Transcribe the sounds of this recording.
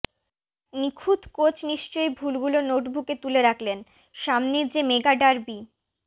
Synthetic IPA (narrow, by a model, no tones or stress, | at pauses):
nikʰud̪ʱkot͡ɕniʃt͡ɕojbʱulɡulonoʈbʱuket̪uleɾakʰlen | ʃamned͡ʑemeɡaɖaɾbi